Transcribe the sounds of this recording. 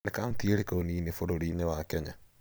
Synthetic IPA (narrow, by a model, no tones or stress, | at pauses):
nekaːmt̪ieɾekooniːnefoɾoɾinewakɛɲa